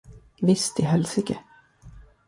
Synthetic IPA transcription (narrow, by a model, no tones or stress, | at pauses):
vɪst̪ɪɦɛlsɪkə